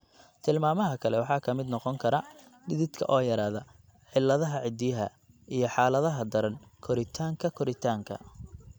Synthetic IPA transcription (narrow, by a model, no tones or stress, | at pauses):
t̪ʰɪlmaːmɐɦɐkʰɐlɛwɑħɑːkʰɐmɪd̪nɔqɔŋkʰɐɾɐ | ɖɪðɪd̪kʰɐ̰ʔɔːjɐɾaːðɐ | ħɪlːɐðɐɦɐʕɪd̪ɪjɐɦɐ̰ | ʔijɞħɑːlɐðɐɦɐd̪ɐɾɐnkʰɔɾɪt̪ʰaːŋkʰɐkʰɔɾɪt̪ʰaːŋkʰɐ̰